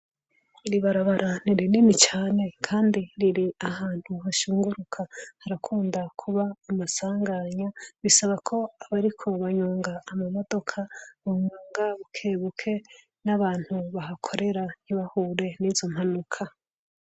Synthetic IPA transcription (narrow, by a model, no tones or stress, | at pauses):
iɾiβaɾaβaɾʔaniɾininit͡ʃaːne̞kʰaːndiɾiɾiahaːn̥huhaʃuːŋɡuɾukʰahaɾakʰuːndakʰuβaːmasaːŋɡaɲaβisaβakʰo̞aβaɾikʰo̞βaɲuːŋɡaːmamodo̞kʰaβuɲaːŋɡaβukʰeːβukʰe̞ | naβaːn̥huβaɦakʰo̞ɾe̞ɾan̥iβahuːɾe̞niːzo̞m̥hanukʰa